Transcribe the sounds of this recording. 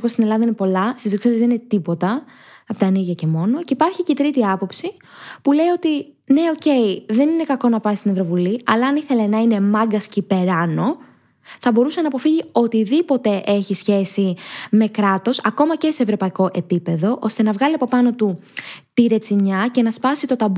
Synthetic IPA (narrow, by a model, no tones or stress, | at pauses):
ɣo̞st̪ine̞lɐðɐinepo̞lɐst̪izðoksezezðeninet̪ipo̞t̪ɐ | ɐpot̪ɐniɣʝɐce̞mo̞no̞ceipɐɾçicet̪ɾit̪iɐpo̞psi | pule̞io̞t̪i | ne̞o̞ce̞iðe̞nine̞kɐko̞nɐpɐist̪inevɾo̞vuliɐlɐːniθe̞le̞nɐine̞mɐɡɐscipe̞ɾɐno̞ | θɐbo̞ɾusɐnɐːpo̞fiʝio̞t̪iðipo̞t̪e̞ʔe̞çisçe̞sime̞kɾɐt̪o̞sɐko̞mɐce̞se̞ːvɾo̞pɐiko̞ʔe̞pipe̞ðo̞ʔo̞st̪e̞nɐvɣɐliɐpo̞pɐno̞t̪ut̪iɾe̞t͡siɲɐce̞nɐspɐsit̪ot̪ɐb